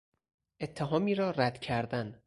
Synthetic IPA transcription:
ʔe̞t̪ʰːeɦɒːmiːɾɒːræd̪̥cʰæɾd̪æn

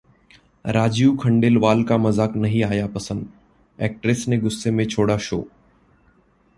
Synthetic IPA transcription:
ɾaːd͡ʒjuːkʰəɳɖeːlʋaːlkamɐzaːknɐɦĩaːjapɐsə̃nd̪ | ɛ̰ːk̚ʈɾesneɡʊsːemẽt͡ʃʰoːɽaʃo̰ː

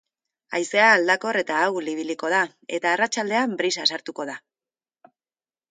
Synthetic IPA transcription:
ajse̞aːld̪ako̞re̞t̪aːwliβ̞iliko̞ð̞a | e̞t̪aːrat͡ʃald̪e̞ambɾisasaɾt̪uko̞ð̞a

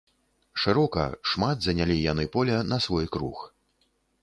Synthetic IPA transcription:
ʂɨɾɔkɐ̰ʂmad̪zɐnʲalʲijanɨpɔlʲɐnɐsvɔjkɾux

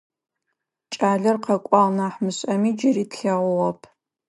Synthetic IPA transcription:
t͡ʃʼaːɮɐrqɐkʷʼɑlnaːħmɨɕʼɐmiːd͡ʒɪriːtɬɐʁʷʊʁɐpʰ

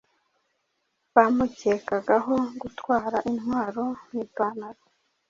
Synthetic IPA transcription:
βamuceːkaɡaɦo̞ɡutwaːɾaʔinɦwaːɾo̞mŋiːpaːnaɾa

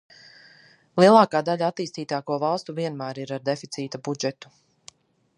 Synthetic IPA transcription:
lˠiɛlˠɑːkaːd̪aʎaat̪ːiːst̪iːt̪aːkuɔvɑlˠst̪uviɛnmæːɾiɾaɾd̪efit̪siːt̪abud͡ʒɛt̪u̥

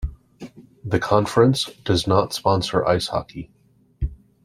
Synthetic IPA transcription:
ðɨkʰɑ̃ɱfɹɨ̃nsd̥ʌznətspɑ̃nsə̰˞ʔa̰ɪshɑ̰kʰi

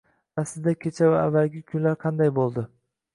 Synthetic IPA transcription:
asɪzd̪akʲʰe̞t͡ʃʰavaavːalɡʲɪkʲʰʊnlaɾqʰɑnd̪ajbolˠd̪ɪ

